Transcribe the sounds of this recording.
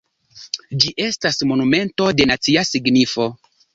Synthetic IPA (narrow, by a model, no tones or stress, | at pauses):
d͡ʒiʔe̞stasmo̞nume̞nto̞de̞nat͡siasiɡnifo̞